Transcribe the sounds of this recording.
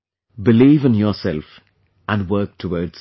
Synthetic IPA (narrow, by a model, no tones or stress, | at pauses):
bɪliːvə̃njɔsɛlf | ʔæ̃nwɜːk̚tʰəwɔːdz̥